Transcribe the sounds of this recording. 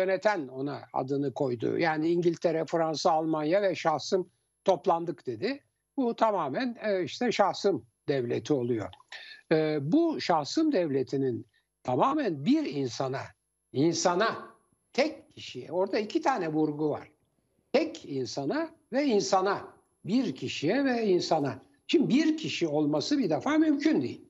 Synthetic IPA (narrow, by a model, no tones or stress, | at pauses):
ønɛt̪ʰæno̞naa̰d̪ɯnɯkʰo̞jd̪ṵjaːniiɲɟilʲt̪ʰeɾɛfɾansaːlˠmanjavɛʃahsɯm | t̪ʰo̞plˠand̪ɯkd̪̥e̞d̪ɪ | but̪ʰamaːmænːiʃt̪ʰɛʃahsɯm | d̪ɛvlʲḛt̪ʰio̞lˠujo̞̰ɯːbuʃahsɯmd̪ɛvlʲet̪ʰinin | t̪ʰamaːmænbiɾinsana | insana | t̪ʰɛcʰːiʃijɛ̰o̞ɾd̪aicʰit̪ʰaːnɛvuɾɡuva̰ɾ̥ | t̪ʰɛcinsana | vɛinsana | biɾcʰiʃijɛvɛinsana | t͡ʃʰimbiɾcʰiʃio̞lˠmasɯbid̪ɛfaːmymcʰynd̪ḭjḭlʲ